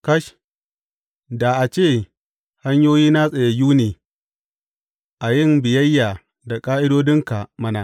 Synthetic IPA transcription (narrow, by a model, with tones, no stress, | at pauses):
kɐ˦ʃ | da˨ʔa˨t͡ʃeː˦˨ | ha˦ɲjoː˦jiː˦na˦sʼa˨ja˨juː˦neː˨ | ʔa˨jɪ˦˨mbɪ˨jɐ˦jːaː˨ | da˨kʼaː˦ʔɪ˦doː˦dɪ˦ŋka˨mɐ˦na˦